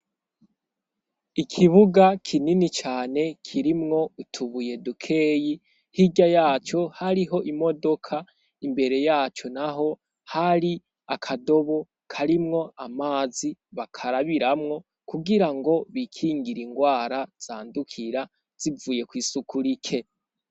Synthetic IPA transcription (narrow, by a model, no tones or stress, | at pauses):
ikʰiβuɡakʰininit͡ʃaːne̞kʰiɾimŋo̞utʰuβuje̞dukʰe̞ːji | hiɟajaːt͡ʃo̞haɾiɦo̞ʔimo̞do̞kʰa | imbe̞ɾe̞jaːt͡ʃo̞naɦo̞ | haɾi | akʰado̞βo̞ | kʰaɾimŋo̞ʔamaːziβakʰaɾaβiɾamŋo̞ | kuɡiɾaŋɡo̞βikʰiːŋɡiɾiŋɡwaːɾaz̥aːndukʰiɾa | z̥ivuːje̞kwiːsukuɾikʰe